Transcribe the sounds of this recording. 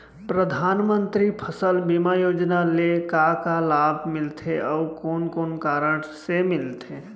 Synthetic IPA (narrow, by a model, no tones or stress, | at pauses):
pɾəd̪ʱanmənt̪ɾipʰəsəlbimajoːd͡ʒnalekakalabʱmɪlt̪ʰeʔɔukoːnkonkaɾəɽ̃semɪlt̪ʰe